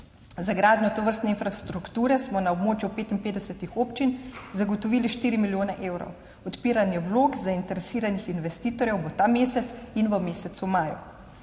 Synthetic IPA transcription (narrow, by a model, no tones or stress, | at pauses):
zaɡɾaːd̪njɔt̪ɔʋəɾst̪nɛinfɾast̪ɾukt̪uːɾɛsmɔnaɔbmoːt͡ʃjupeːt̪inpeːd̪ɛsɛt̪ixoːpt͡ʃinzaɡɔt̪ɔʋiːliʃt̪iːɾimiljoːnaʔeːwɾɔ̰w | ɔt̪piːɾanjɛwloːɡzaint̪ɛɾɛsiːɾanixinʋɛst̪iːt̪ɔɾjɛwbɔt̪ameːsɛt̪sinʋəmeːsɛt̪sumaːjṵ